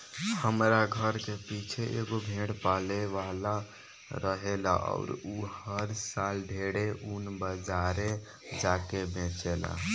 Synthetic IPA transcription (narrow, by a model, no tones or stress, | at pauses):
həmɾaɡʱəɾkepit͡ʃʰeʔeɡobʱẽɽpaleʋala | ɾəɦela̰ʔɔ̰ʊɾuhhəɾsalɖʱeɽeunbəd͡ʒaɾe | d͡ʒakebẽt͡ʃela̰